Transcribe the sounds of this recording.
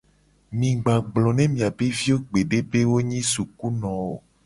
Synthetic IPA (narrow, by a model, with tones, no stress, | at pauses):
mĩ˨ɡ͡ba˨ɡ͡blɔ˨nẽ˦mĩ˨a˨be˦vi˦o˦ɡ͡be˨ɖe˦be˦wo˦ɲĩ˦su˨ku˦nɔ̃˨wo˨